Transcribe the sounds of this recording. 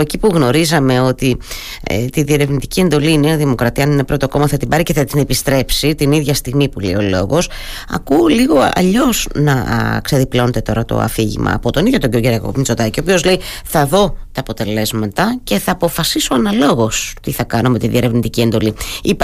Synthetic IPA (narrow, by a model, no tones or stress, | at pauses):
ecipuɣno̞ɾizɐme̞o̞t̪i | ḛt̪iðie̞ɾe̞vnit̪icie̞nd̪o̞liinenɐðimo̞kɾɐt̪iɐninepɾo̞t̪o̞ko̞mɐθɐt̪ibɐɾice̞θɐt̪ine̞pist̪ɾe̞psit̪iniðʝɐst̪iɣmipulḛio̞lo̞̰ɣos | ɐ̰kuliɣo̞ɐ̰ʎo̞z̥nɐ̰kseðipleo̞net̪et̪o̞ɾɐt̪o̞̰ɐ̰fiʝḭmɐ̰ːpo̞t̪o̞niðjo̞t̪oɲɟioɡeɾɐko̰pint͡so̞t̪ɐciopio̞zle̞i | θɐðo̞t̪ɐːpo̞t̪e̞le̞zmɐt̪ɐce̞θɐːpo̞fɐsiso̞ɐnɐlo̞ɣo̞st̪iθɐkɐnome̞t̪iðie̞ɾe̞vnit̪icie̞nd̪o̞liip